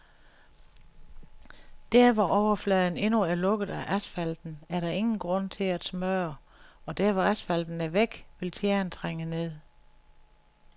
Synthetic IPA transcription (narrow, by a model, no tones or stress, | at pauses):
d̥æɐʋɒʔɒʊɐflɛːð̞ˠn̩e̝nuæɐlɔ̽ɡ̥ð̩ˠæʔæsfæl̰d̥n̩æɐɾ̥ɑ̈e̝ŋn̩ɡ̥ʁɔ̽n̰t͡sʰe̝læ̥smøɐ | ɒ̽d̥æɐʋɒæsfæld̥n̩æɐʋeɡ̥ʋe̝lt͡sʰjeɐnt͡sʰʁaŋ̰əne̝ð̰ˠ